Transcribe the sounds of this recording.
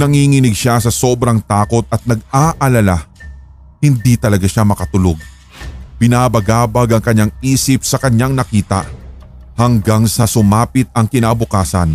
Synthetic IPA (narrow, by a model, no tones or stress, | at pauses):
nɐŋiŋɪnɪɡ̚ʃasɐso̞ːbɾɐŋt̪aːko̞t̪̚ɐt̪̚nɐɡ̚aːʔɐlɐla | hɪnd̪it̪ɐlɐɡaʃamɐkɐt̪ʊloɡ̚ | b̥ɪnaːbɐɡaːbɐɡɐŋkɐɲːaŋiːsɪp̚sɐkɐɲːaŋnɐkiːt̪ɐ̰ | hɐŋɡaŋsɐsʊmaːpɪt̪̚ɐŋkɪnaːbʊkaːsɐ̰n